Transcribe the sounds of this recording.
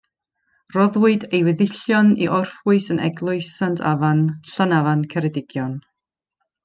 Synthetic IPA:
rɔðwʊɨdejwɛðɪɬjɔniʔɔrfwʊɨsənʔɛ̰ɡlˠʊɨsantʰa̰vanɬanavankʰɛɾɛdɪɡ̥jɔn

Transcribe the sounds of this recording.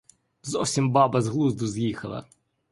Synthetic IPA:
zɔwsʲimbɑbɐzɦlˠuzd̪ʊzjixɐ̰lˠɐ̰

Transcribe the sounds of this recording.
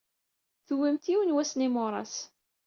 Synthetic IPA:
θʊwimt̪iwənwæsnimʊɾˤɑ̰s

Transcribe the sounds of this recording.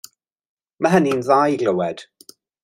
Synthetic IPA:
məɦəninðajɡləwɛd̥

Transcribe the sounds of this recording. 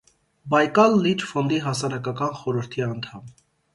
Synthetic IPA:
bɑjkɑlːit͡ʃfɔnd̪iɦɑsɑɾɑkɑkɑnχɔɾəɾt̪ʰiɑnt̪ʰɑm

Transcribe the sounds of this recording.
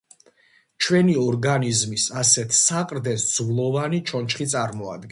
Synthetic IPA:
t͡ʃʰwɛniɔɾɡanizmisasɛt̪ʰsaqʼɾd̪ɛsd̪z̥vlˠɔvanit͡ʃʰɔnt͡ʃχit̪sʼaɾmɔa̰d̪̚ɡ

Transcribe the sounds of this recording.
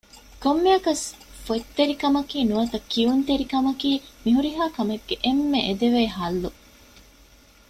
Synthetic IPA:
komːeɐkɐsfot̪ːeɾikɐmɐkiːnuʋɐt̪ɐkːiunt̪eɾikɐmɐkiːmiɦuɾiɦaːkɐmeɡːeʔemːeʔed̪eʋeːɦɐlːu

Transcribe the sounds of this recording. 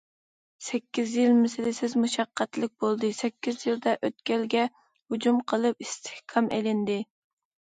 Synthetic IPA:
sɛkʲːizjilmesɪlɪsɪzmuʃɑqːæt̪lɪk̚ʲbolˠd̪ɨsɛkʲːizjild̪ɛʔøt̪̚kʲɛlɡʲɛ | hud͡ʒumqʰəlˠɨp̚ist̪ʰɪ̥hkʰɑmʔḛlɪnd̪ɪ

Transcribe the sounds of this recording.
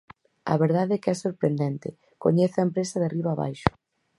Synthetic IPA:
ɐ̰βeɾðaðɛkɛsoɾpɾend̪ɛnt̪ɪ | ko̰ɲeθɐempɾesɐðariβaːβa̰jʃʊ̥

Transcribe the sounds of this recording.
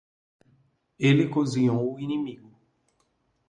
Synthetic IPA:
elikozijɔ̃winĩmiɡu

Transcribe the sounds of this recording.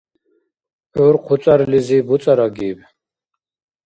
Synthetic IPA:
ɔɾqʰut͡s̪ʼaɾlizibut͡s̪ʼaɾaɡiːb

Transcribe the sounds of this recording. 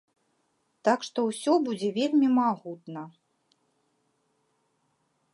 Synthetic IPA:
t̪akʂt̪ɔwsʲɔbud͡zʲɛvʲelʲmʲimaɣut̪nɐ

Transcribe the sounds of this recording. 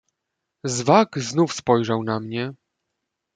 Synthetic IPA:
zvakznufspɔjʐawnamɲɛ

